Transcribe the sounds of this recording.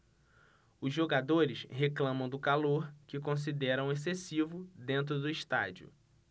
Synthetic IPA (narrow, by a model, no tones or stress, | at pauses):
ʊzʒoɡad̪oɾɪsɦeklɐ̃mɐ̃w̃d̪ʊkaloɾkɪkõs̬id̪ɛɾɐ̃w̃es̬esivʊd̪ẽnt̪̬ɾʊd̪ʊiʃt̪a̰d͡ʒiʊ̰